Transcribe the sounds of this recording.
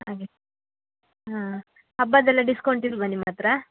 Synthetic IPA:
ɦaːɡe | ɦãː | hɐbːɐd̪ɛlːɐɖiskɐwɳʈiɾubɐnːimaːt̪ɾɐ

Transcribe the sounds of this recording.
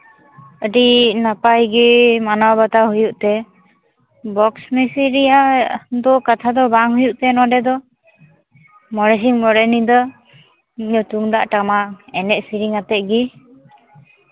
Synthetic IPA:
əɖinapajɡimanawbat̪aɦujuʔt̪ɛ | bɔksmɛsiɾijad̪ɔkat̪ʰad̪ɔbaŋɦujuʔt̪ɛnɔɖɛd̪ɔ | mɔɽɛs̬iŋmɔɾɛnid̪ɔ | ɔt̪uŋd̪aʔʈamaɛnɛʔ̚siɾiŋat̪ɛt̪̚ɡi

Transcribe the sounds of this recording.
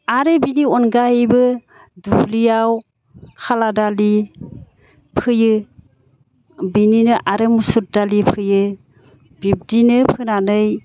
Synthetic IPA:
aɾebiniɔnɡaijbɯ | dulijaw | kʰaladali | pʰɯjɯ | bininɯʔaɾemusuɾ̚dalipʰɯjɯ | bip̚dinɯpʰɯnanɯj

